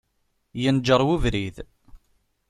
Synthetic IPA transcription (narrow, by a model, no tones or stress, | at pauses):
jənd͡ʒəɾˤwuvɾið